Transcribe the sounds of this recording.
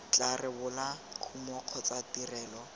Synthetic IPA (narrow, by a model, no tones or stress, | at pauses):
t͡ɬʼarɪbʊlakʰumɔq͡χʰɔt͡satirɛːlɔ